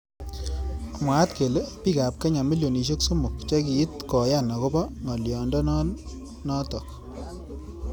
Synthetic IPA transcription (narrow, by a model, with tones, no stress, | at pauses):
mwa˨˦tke˨le˦pi˦ka˨p̚ke˦ɲa˨mi˦ljo˨ni˨ʃ̬o˦kso˦mʊ˨kt͡ʃɛ˦kiː˨˦tkɔ˨ja˦˨na˨ko˦bɔ˦ŋɔ˨ljɔ˨ndɔ˦n˦ | nɔ˦tɔ˨k